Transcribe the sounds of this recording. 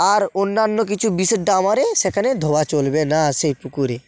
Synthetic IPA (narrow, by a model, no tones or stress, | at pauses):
aɾonːanːok̬it͡ɕʰubiseɖamaɾeʃekʰaned̪ʱoat͡ɕolbenaʃejpukuɾe